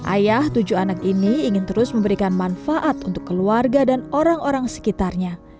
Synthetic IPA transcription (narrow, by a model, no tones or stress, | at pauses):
ʔa̰jaht̪ud͡ʒuanakiniːŋɪnt̪əɾʊsməmbəɾikanmanfaʔat̪unt̪ʊkːəluarɡadanoɾaŋoɾaŋsə̥kit̪arɲa